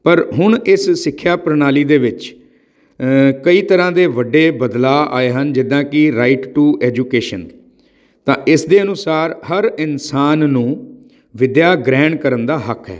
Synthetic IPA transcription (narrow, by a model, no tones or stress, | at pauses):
pəɾɦʊɳɪssɪkʰːjaːpɾənaːliːd̪eːʋɪt͡ʃ | kəiːt̪əɾãːd̪eːʋəɖeːbəd̪laːa̰ːeːɦənd͡ʒɪd̪ãːkɪɾaːiʈʈuːʔɛːd͡ʒuːkeːʃən | t̪ãːʔɪsd̪eːənʊsaːɾɦəɾɪnsaːnːũː | ʋɪd̪jaːɡɾɛ̃ːɳɖkəɾənd̪aːɦəkʰɦɛ̰ː